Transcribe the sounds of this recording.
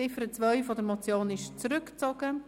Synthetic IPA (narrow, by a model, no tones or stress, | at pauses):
ɪfəɾət͡svœʏfɔdəɾmɔt͡sjoːnɪʃt͡sɾʏkt͡sɔɡ̥ə